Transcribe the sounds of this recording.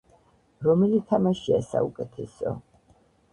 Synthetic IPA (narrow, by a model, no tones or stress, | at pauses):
ɾɔmɛlit̪ʰamaʃiasa̰ukʼɛt̪ʰɛsɔ̰